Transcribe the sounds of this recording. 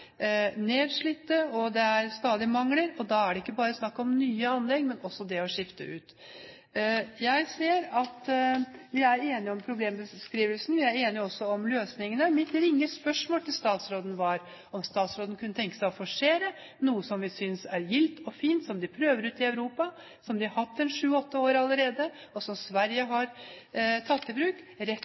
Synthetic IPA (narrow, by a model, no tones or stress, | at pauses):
neːd̪ʂɭɪt̪ːəɔd̪ɛæɾst̪ɑːd̪ɪmɑŋləɾɔd̪ɑæɖɛɪkːəbɑːɾəsnɑkːɔmnyːəɑnlɛɡmɛnɔsːɔd̪ɛɔʂɪft̪ə̰ʉ̰ːt̪ | jæɪseːɾɑt̪ | ʋɪæɾeːnɪɔmpʰɾʊbleːmbəskɾiːʋəlsn̩ʋɪæɾeːnɪɔsːɔɔmløːsnɪŋənəmɪt̪ɾɪŋːəspœʂmoːlt̪ʰɪlst̪ɑːt̪sɾoːd̪nʋɑɾ | ɔmst̪ɑːt̪sɾoːd̪n̩kʰʉnːət̪ʰɛŋkəsæɪɔfɔʂeːɾə | nuːəsɔmʋɪsʏnsæɾjɪlt̪ɔfiːnt̪sɔmd̪ɪpʰɾøːʋəɾʉːt̪ɪɑʉɾuːpɑ | sɔmd̪ɪɑhɑt̪ːɛnʂʉːɔt̪ːəoːɾɑlːəɾeːd̪əɔsɔmsʋæɾjəɦɑɾ | t̪ʰɑt̪ːɪbɾʉːkɾɛ